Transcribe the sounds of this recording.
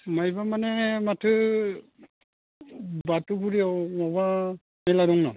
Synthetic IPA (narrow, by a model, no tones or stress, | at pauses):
majbamanɛmatʰɯ | batuɡuɾiawmɔba | mɛlaɾɔŋnɔ̰